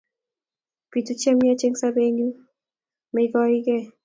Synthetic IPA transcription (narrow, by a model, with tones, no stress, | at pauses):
pi˨tu˦t͡ʃe˦m˦a˦t͡ʃe˦ŋsa˦be˦ɲu˦ | mɛ˨ɡɔ˦ɾi˦ɡɛ˦